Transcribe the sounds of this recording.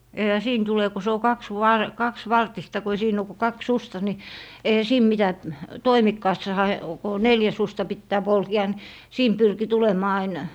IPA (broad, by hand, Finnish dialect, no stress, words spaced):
eĭhæ siːn tule ku se o kɑksʋɑr kɑksʋɑrtistɑ ko ei siːn o ku kɑks sustɑ ni eihæ siːn mitæ toimikːɑːsːɑhɑ ko o neljæ sustɑ pitːæː polkeɑ nĭ siːn pyrki tulemˑɑː ɑin